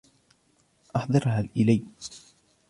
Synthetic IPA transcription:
ʔɑħd̪ˤɑɾhalʔɪlaj

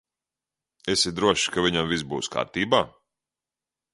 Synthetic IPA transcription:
esid̪ɾuɔʃkaviɲamvizbṵːska̰ːɾt̪iːbaː

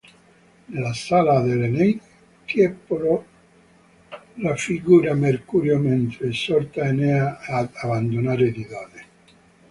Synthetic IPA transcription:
nelasalaðeleneŋ | k̪jɛpoɾo | lafiɡuɾameɾkuɾjoment̪ɾesɔɾt̪aeneaːaβand̪onaɾed̪iðaðe

